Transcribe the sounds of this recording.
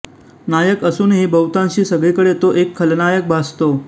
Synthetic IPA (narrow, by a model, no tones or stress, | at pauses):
najəkəsuːnɦiːbəwt̪ãɲɕiːsəɡɭikəɽet̪oʔekʰːəlnajək̚bʱast̪o